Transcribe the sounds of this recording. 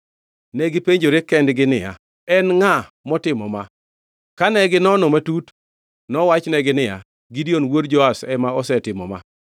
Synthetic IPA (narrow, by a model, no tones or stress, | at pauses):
nɛɡɪpeɲd͡ʒoɾekɛndɡɪnɪja̰ | ɛnŋa | mɔtɪmɔma | kanɛɡɪnɔnomatut | nɔwat͡ʃnɛɡɪnɪja̰ | ɡidionwodd͡ʒɔasɛmaɔsɛtɪmɔ̰ma̰